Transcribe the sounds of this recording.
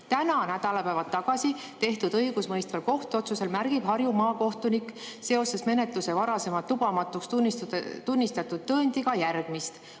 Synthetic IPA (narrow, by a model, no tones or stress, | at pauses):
t̪ænɑnæd̪̥ɑlɑpæevɑt̪ːɑɡ̥ɑsi | t̪e̞ht̪ud̪̥ɤjɡ̥usmɤjst̪vɑlko̞ht̪uo̞t̪suse̞lmæɾɡ̥ib̥ɦɑɾjumɑːko̞ht̪unikse̞o̞se̞sme̞ne̞t̪luse̞vɑɾɑse̞mɑt̪ːub̥ɑmɑt̪ːˑukst̪nt̪unʲːist̪ɑt̪ːˑud̪̥̚ːɤːnʲd̪̥ʲiɡɑjærɡ̥mist̪